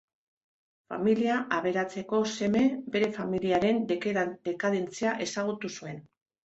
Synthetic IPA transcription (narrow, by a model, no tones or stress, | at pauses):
fa̰miliaʔaβ̞e̞ɾat͡se̞ko̞se̞me̞be̞ɾe̞familiaɾe̞nd̪ekd̪ekaðe̞nt͡siaʔe̞saɣ̞ut̪usue̞n